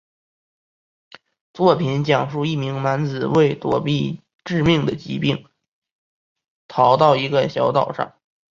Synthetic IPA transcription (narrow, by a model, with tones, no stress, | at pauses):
t͡swɔ˥˩pʰi˧˥nt͡ɕjɑ˨˩ŋʂu˥˧i˥˩mi˧˥ŋna˧˥nt͡sɹ̩˨˩we˥˩ɪt̪wɔ˨˩pi˥˧ | ʈ͡ʂɻ̩˥˧mi˥˩ŋd̪ə˩t͡ɕḭ˧˥pi˥˩ŋ | t̪ʰɑ˧˥ʊt̪ɑ˥˩ʊi˧˥ɡə˧ɕjɑ˧˥ʊt̪ɑ˨˩ʊʂɑ̰˥˩ŋ